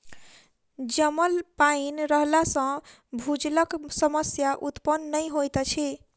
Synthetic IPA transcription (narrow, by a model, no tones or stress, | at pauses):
d͡ʒəməlpainɾəɦlasə̃ | bʱud͡ʒləksəməsjaʔut̪pənːəjɦojt̪ət͡ʃʰi